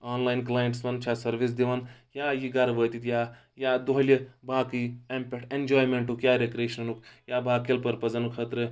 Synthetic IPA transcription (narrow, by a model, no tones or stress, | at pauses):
aːnlaːjnklaːjeɳʈsmɐnt͡ʃʰasɐɾʋis̬d̪iʋanjaːjiɡaɾʋəːt̪it̪jaː | jaːd̪oɦlʲibaːkiempʲeʈʰend͡ʒaːjmeɳʈukjaːɾekɾeːʃnɐnukjaːbaːkelpɐɾpɐzɐnukʰɐt̪ɾɨ